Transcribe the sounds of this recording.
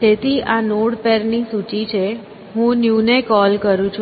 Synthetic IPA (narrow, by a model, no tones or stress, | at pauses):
d͡ʒet̪ʰiʔanoɽpeɾnisut͡ʃit͡ʃʰe | ɦũnjunekɔlkəɾũt͡ʃʰ